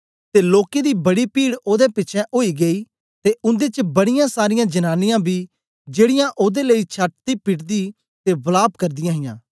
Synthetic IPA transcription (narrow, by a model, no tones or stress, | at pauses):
t̪eːloːked̪iːbɐɽipiːɽoːd̪epɪːt͡ʃʰɛ̃ʔoːiːɡeiː | t̪eʊ̃nd̪et͡ʃəbɐɽɪjãːsaːɾɪjãːd͡ʒənaːnɪjãːbʱiː | d͡ʒeːɽɪjãːʔoːd̪eːləit͡ʃʰaʈ̚t̪iːpɪʈd̪iː | t̪eːbɐlaːbkɐɾd̪ɪjãːɦɪjãː